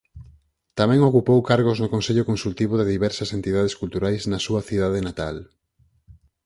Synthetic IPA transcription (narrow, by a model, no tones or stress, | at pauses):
t̪amɛ̃ŋokupowkaɾɣ̞oznʊkonseʎʊkonsult̪iβoðɪðiβɛɾsɐsent̪ið̞að̞eskult̪uɾajznɐsuɐθið̞aðenat̪al